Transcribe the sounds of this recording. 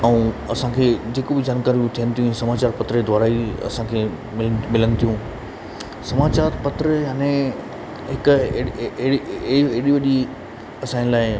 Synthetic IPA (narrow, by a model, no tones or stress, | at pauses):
ɛ̃ũː | ɐsãkʰed͡ʑeːkobɪd͡ʑaːnkaːɾijũt̪ʰijənɪ̆t̪ʰijũsɐmaːt͡ɕaːɾpɐt̪ɾəed̪ʱʋaːɾaːiɐ̰sãkʰeː | mɪlmɪlənɪt̪ʰijũ | sɐmaːt͡ɕaːɾpɐt̪ɾəjaːnẽ | ɦɪkʊ | ɽieɽiʋɐʄi | ɐsãːɪ̃nlaːɪ